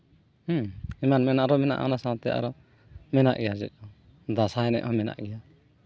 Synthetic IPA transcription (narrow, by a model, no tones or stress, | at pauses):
h̩imanmɛnaʔɾɔmɛna̰ʔɔ̰nasãw̃t̪ɛʔa̰ɾɔ | mɛna̰ʔɡɛjad͡ʒɛ̰t̪̚ˀɔ | d̪asaɛnɛ̰ʔɔmɛna̰ʔɡɛja